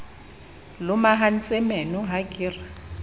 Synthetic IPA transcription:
lʊmaɦan̩t͡sʼɛmɛnʊɦakʼɪːra

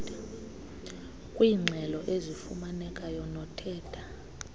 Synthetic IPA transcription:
kʼwiːŋ͡ǀʱɛlɔʔezifumanɛkʼajɔnɔtʰɛːdʰa

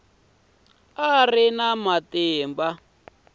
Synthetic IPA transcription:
arinamatɛːmba

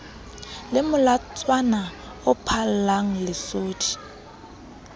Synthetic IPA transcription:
lɪmʊlat͡sʼwana | ʊpʰallaŋ̩lɪsoːdʰi̥

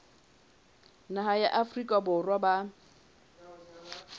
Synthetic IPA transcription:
naɦajaʔafrikʼabʊrwaba

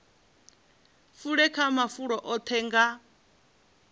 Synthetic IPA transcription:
fuɺɛkʰamafuɺɔʔɔt̪ʰɛːŋɡa

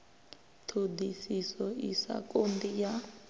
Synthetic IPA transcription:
tʰodisisɔḭsa̰kʼondija

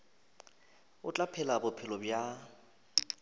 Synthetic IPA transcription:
ʊt͡ɬʼapʰɛlabʊpʰɪlɔbja

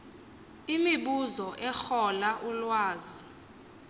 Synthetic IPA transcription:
imiɓuzɔʔɛxɔlaʔulwaːzi

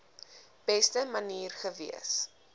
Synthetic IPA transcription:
b̥ɛstəmɐniːrχəvḭəs

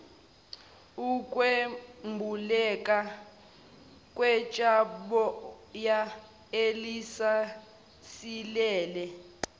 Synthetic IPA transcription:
ukʼwembʱulɛkʼa | kʼwɛt͡ʃʼaɓɔja | elisa | silɛːlɛ

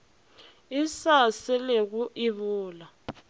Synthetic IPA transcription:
isasɛleɣuʔiβuːla

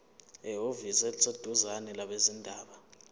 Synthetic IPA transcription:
ɛɦovisɛt͡sʰʼed̥ʱuzanɛlaɓezindʱaːɓa

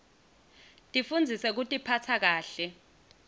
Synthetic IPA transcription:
tʼifund͡zʱisɛk̬utʼipʰatʰak̬aːɬɛ

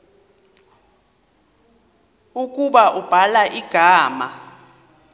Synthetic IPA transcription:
ukʼuɓaʔub̥ʱalaʔiɡ̥ʱaːma

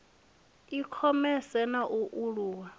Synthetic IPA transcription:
ikʰɔmɛsɛnaʔuʔuɺuːwa

